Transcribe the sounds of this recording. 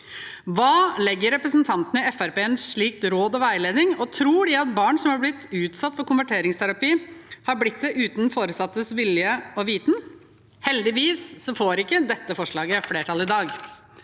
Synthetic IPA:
ʋɑːlɛɡːəɾːɛpɾəsnt̪ʰɑnt̪nəɪɛfæɾpeːɛnsʂɭiːk̚t̪ɾoːd̪ɑʋæɪleːd̪nɪŋɔt̪ʰɾuːɖɪɑt̪̚bɑːɳsɔmhɑɾblɪt̪ːʉːt̪sɑt̪ːfɔɾkʊnʋæʈʰeːɾɪŋst̪ʰæɾɑpiːhɑɾblɪt̪̚d̪ɛʔʉːt̪nfoːɾəsɑt̪ːəsʋɪljəɔʋiːt̪n | hɛld̪ɪʋiːsːɔfoːɾɪkːəd̪ɛt̪ːəfɔʂɭɑːɡəfleːʈʰɑlɪd̪ɑːɡ

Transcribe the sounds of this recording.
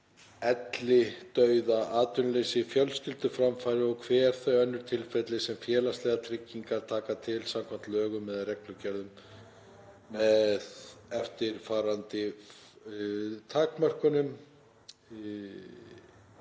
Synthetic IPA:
ɛt̪lɪt̪œɥðaaːt̪ʏnleːjsɪfjœlscɪlt̪ʏfɾamfajɾɪɔkʰvɛːɛɾ̥θœɥœnːʏɾ̥t̪ʰɪlfɛt̪lɪsɛmfjɛːlast̪lɛːɣat̪ʰɾɪcːiŋkaɾ̥t̪ʰaːkat̪ʰɪlsamkʰam̥t̪lœːɣʏmːɛðaðrɛklʏcɛɾðʏm | ɛðɛft̪ɪɾ̥faːɾant̪ɪ | t̪ʰaːkmœr̥kʏnʏm

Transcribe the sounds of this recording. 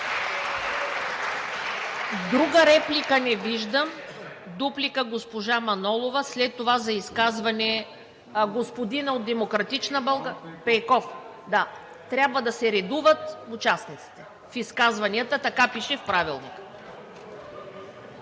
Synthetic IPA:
d̪ɾuɡəɾɛplikənɛviʒd̪əm | d̪uplikəɡospoʒamɐnɔlˠovɐslɛt̪ːovazɐiskazvɐnɛ | ɡospod̪inɐod̪ːɛmokɾɐt̪it͡ʃnəbɐlˠɡpɛkɔf | d̪a | t̪ɾʲabvəd̪ɐsɛɾɛd̪uvət̪ʊt͡ʃasnit̪si̥t̪ɛ | fiskazvɐniət̪ət̪ɐkapiʃɛfpɾavilˠnikə̥

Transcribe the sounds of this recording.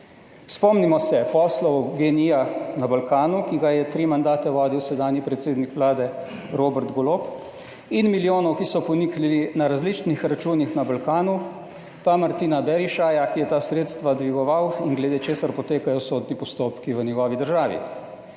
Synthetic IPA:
spɔmnimɔsɛpɔːslɔwɔɡenijanabalkaːnukiɡajɛt̪ɾiːmand̪aːt̪ɛʋɔːd̪iwsɛd̪aːnjipɾɛt̪seːd̪nikʋlaːd̪ɛ | ɾoːbɛɾt̪ɡɔlop | inmiljoːnɔwkisɔpɔniklilinaɾazlit͡ʃnixɾat͡ʃuːnixnabalkaːnu | pamaɾt̪iːnabɛɾiʃajakijɛt̪aːsɾeːt̪st̪ʋad̪ʋiɡɔʋawinɡlɛd̪eːt͡ʃeːsaɾpɔt̪eːkajɔsoːd̪nipɔst̪oːpkiʋənjɛɡɔːʋid̪əɾʒaːʋḭ

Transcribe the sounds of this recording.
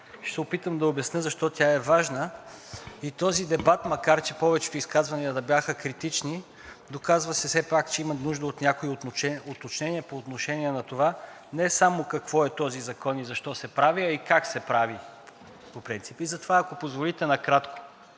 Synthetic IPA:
ʃt̪ɛopit̪əmd̪ɐobɐsnəzɐʃt̪ɔt̪ʲaɛvaʒnə | it̪ɔzid̪ɛbat̪mɐkaɾt͡ʃɛpɔvɛt͡ʃɛ̥t̪ʊiskazvɐniəd̪ɐbjaxəkɾit̪it͡ʃni | d̪okazvɐsɛfsɛpakt͡ʃɛimɐnuʒd̪əot̪nʲjakoioɛot̪ot͡ʃnɛniɛpoːt̪noʃɛniɛnɐt̪ova | nɛsamokɐkv̥ɔɛt̪ɔzizɐkɔnizɐʃt̪ɔsɛpɾaviɐikaksɛpɾavi | popɾint̪sipizɐt̪ovaɐkopozvolit̪ɛnɐkɾat̪ko̥

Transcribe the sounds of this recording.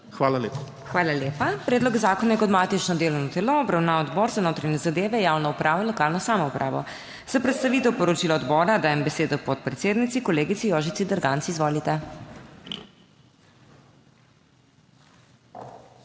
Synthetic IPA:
xʋaːlalepa | xʋaːlaleːpapɾɛːd̪lɔɡzaːkɔnjɛkɔd̪mat̪it͡ʃnɔd̪eːlɔnɔt̪ɛloːbɾawnaːɔd̪bɔɾzanoːt̪ɾaɲɛzad̪eːʋɛjawnɔupɾʔaːʋɔinlɔkaːlnɔsaːmɔupɾʔa̰ːʋɔ̰ | z̥apɾɛt̪st̪aʋit̪ɛwpɔɾɔt͡ʃilɔːd̪bɔːɾad̪aːjɛmbɛseːd̪ɔpɔt̪̚pɾɛt̪seːd̪nit̪sikɔleːɡit̪sijoʒit̪sid̪əɾɡant̪sizʋoːlit̪ɛ

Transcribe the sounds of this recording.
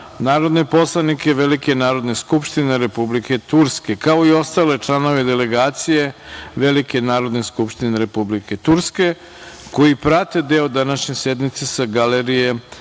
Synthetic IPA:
naːɾo̞d̪nepo̞slˠanike̞ʋelikenaːɾo̞d̪neskupʃt̪ine̞ɾe̞publike̞t̪uɾske̞kaoio̞st̪ale̞t͡ʃlˠano̞ʋe̞d̪ele̞ɡaːt̪sije̞ʋelike̞naːɾo̞d̪neskupʃt̪ineɾe̞publike̞t̪uɾske̞ | ko̞ipɾat̪e̞d̪eod̪anaʃɲesjed̪mit̪sesaɡaleɾije

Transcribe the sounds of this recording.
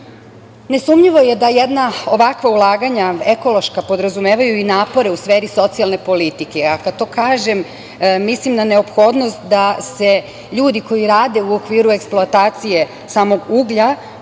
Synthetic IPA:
ne̞sumʎiʋo̞je̞d̪ajed̪nao̞ʋakʋaulˠaːɡaɲaeko̞lo̞ʃkapo̞d̪ɾazumeːʋajuinaːpo̞ɾe̞usʋeːɾiso̞t̪sialˠne̞po̞lit̪ikeakad̪̥̚t̪o̞ːkaːʒe̞mː | islimnane̞o̞pxo̞ːd̪no̞st̪d̪ase̞ | ʎuːd̪iko̞jiɾaːd̪e̞uokʋiːɾue̞ksploat̪aːt̪sije̞ | saːmo̞ɡuːɡʎa

